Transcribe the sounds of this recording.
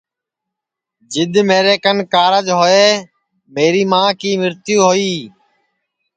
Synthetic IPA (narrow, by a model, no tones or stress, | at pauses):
d͡ʒɪd̪meːɾeːkənkaːɾəd͡ʒɦoːeː | meːɾiːmãːkiːmɪɾt̪juːɦoːiː